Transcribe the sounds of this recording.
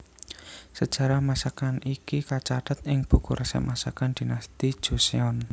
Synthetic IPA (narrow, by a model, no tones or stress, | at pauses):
səd̥ʒ̥ä̤ɾahmasakanikikat͡ʃad̪̥ət̪̚ɪŋb̥ṳkuɾʔəsɛ̰masakand̪̥i̤nast̪i̥ʒ̥ṳseɔn